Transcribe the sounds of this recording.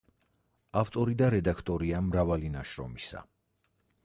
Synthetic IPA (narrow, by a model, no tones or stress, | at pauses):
aft̪ʼɔɾid̪aɾɛd̪akʰt̪ʼɔɾiamɾavalinaʃɾɔ̰misa̰